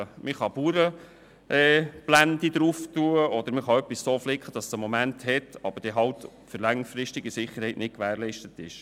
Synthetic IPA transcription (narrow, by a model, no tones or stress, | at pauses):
mɪχɑbuːɾə | ʔɛːb̥lændid̥̪ɾuftuəɔd̪əɾmɪχɑœpːissoːflɪkχəd̥ɑssəmomænthɛtɑ̰b̥əɾd̥ɛɦɑltfʏɾlæŋfɾɪstɪɡisɪχːəɾhɛɪtnɪtkʋæːɾlɛɪʃtətɪʃ